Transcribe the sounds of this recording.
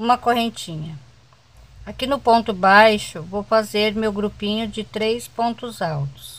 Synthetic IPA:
ũmɐkohẽnt͡ʃĩɲɐ | akinʊpõnt̪ʊbajʃʊvowfazeɾmewɡɾupĩɲʊd͡ʒɪt̪ɾejspõnt̪ʊzawt̪ʊ̥s

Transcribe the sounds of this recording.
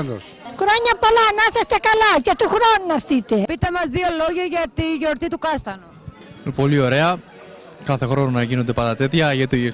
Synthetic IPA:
o | xɾo̞ɲɐpo̞lɐnɐsɐst̪ekɐlɐʝɐt̪uxɾonunɐɾθit̪epit̪e̞mɐzðio̞lo̞ʝɐʝɐt̪iʝo̞ɾt̪it̪ukɐst̪ɐnu | po̞lio̞ɾe̞ɐ | kɐθe̞xɾo̞nonɐʝino̞nd̪e̞pɐd̪ɐt̪e̞t̪çɐʝet̪i

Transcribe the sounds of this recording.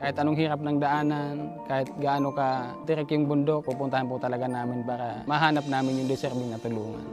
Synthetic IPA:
kaːhɪt̪anʊŋɦiɾap̚naŋd̪aʔaːnankaːjɪt̪̚ɡaʔaːnokat̪ɪɾɛkjʊŋbʊnd̪ok̚pupunt̪ahanput̪alaɡanaːmɪnpaːɾamaɦaːnap̚naːmɪnjʊŋd̪ɛsɛɾbiŋnat̪oluːŋa̰

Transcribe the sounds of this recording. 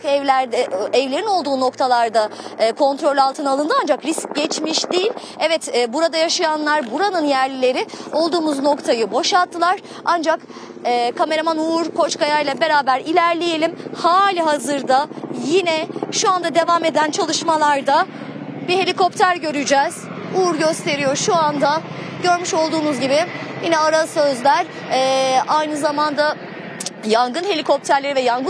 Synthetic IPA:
ɛvlʲæɾd̪ɛɛvlʲe̞ɾino̞lˠd̪uːno̞kt̪ʰalˠaɾd̪aːkʰo̞nt̪ɾo̞lʲalˠt̪ʰɯnalˠɯnd̪ɯand͡ʒakɾisc̚ɟɛt͡ʃmiʃd̪ijilʲ | ɛvɛt̪ːbuɾad̪ajaʃajanlˠaɾbuɾanɯnjæɾlʲilʲe̞ɾɪo̞lˠd̪uːmuzno̞kt̪ʰajɯbo̞ʃalˠt̪ːɯlˠaɾ̥ | and͡ʒakː | kʰame̞ɾamanuuɾkʰo̞t͡ʃkʰajajlˠabe̞ɾaːbæɾilʲæɾlʲejelʲimhaːlʲiɦazɯɾd̪ajinɛʃuand̪ad̪e̞vame̞d̪ænt͡ʃʰalˠɯʃmalˠaɾd̪abiɦe̞lʲiko̞p̚t̪ʰæɾɟø̞ɾyd͡ʒɛz̥ | uɾɟø̞st̪ʰe̞ɾijo̞ɾʃuand̪a | ɟø̞ɾmyʃo̞lˠd̪uːnuzɟibɪjinɛaɾasø̞zlʲæɾ | ɛːajnɯzamand̪a | jaŋɡɯnɦe̞lʲikʰo̞p̚t̪ʰæɾlʲe̞ɾivɛjaŋɡɯ

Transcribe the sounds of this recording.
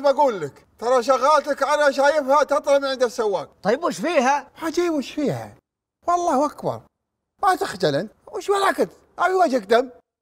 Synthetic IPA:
baɡuːlːɪk | t̪ɑɾˤɑʃ̬aɣaːlt̪akʕalaʃ̬aːjɪfhat̪ɑt̪ˤlɑmʕɪnd̪asːawːaːɡ̚t̪ˤɑjːɪbuʃfiːɦaħad͡ʒiːbʊʃfiːha̰ | wɑlˤːɑːhʔakbɑ̰ɾˤ | mat̪axd͡ʒalɪnwɪʃwalʕakɪt̪ | ʔabiwad͡ʒɪkd̪am

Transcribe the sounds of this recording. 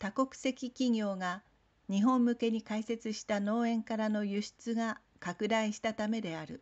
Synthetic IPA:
t̪ako̞kɯ̥se̞kʲikʲiɡʲo̞ːɡa | ɲ̟iɦõ̞mːɯ̟ke̞ɲ̟ikaise̞t͡sɨɕi̥t̪ano̞ːẽ̞ŋkaɾano̞jɯɕi̥t͡sɨɡa | kakɯ̟d̪aiɕi̥t̪at̪ame̞d̪e̞aɾɯ̟

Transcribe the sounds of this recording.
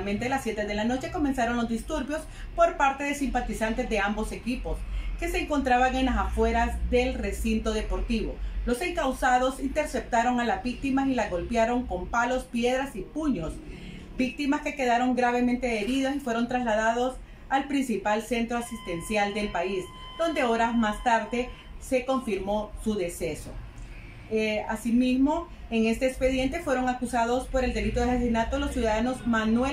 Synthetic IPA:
ment̪e̞lasːje̞t̪e̞ðe̞lano̞t͡ʃe̞ko̞me̞nsaɾo̞nlo̞zd̪ist̪uɾbjo̞s | po̞ɾpaɾt̪e̞ðe̞simpat̪isant̪e̞zðe̞ambo̞se̞kipo̞ske̞se̞ːŋko̞nt̪ɾaβaŋe̞nlasafwe̞ɾazðe̞lresint̪o̞ðe̞po̞ɾt̪iβo̞lo̞se̞ŋkawsaðo̞sint̪e̞ɾse̞p̚t̪aɾo̞ŋalazbik̚t̪imasilaɣo̞lpjaɾo̞ŋko̞mpalo̞spje̞ðɾasipuɲo̞s | bik̚t̪imaske̞keðaɾo̞ŋɡɾaβe̞ment̪e̞ðeβiðosifwe̞ɾo̞nt̪ɾaslaðaðos | alpɾinsipalse̞nt̪ɾoasist̪e̞nsjald̪e̞lpais | d̪̥o̞nd̪e̞oɾazmast̪aɾðe̞ | se̞ko̞ɱfiɾmo̞suðe̞se̞so̰ | asimizmo̞ | eŋe̞st̪eːkspe̞ðje̞nt̪e̞fwe̞ɾo̞ŋakusaðo̞spo̞ɾe̞ld̪e̞lit̪o̞ðesasesinat̪olo̞sjuðaðano̞zmanwe

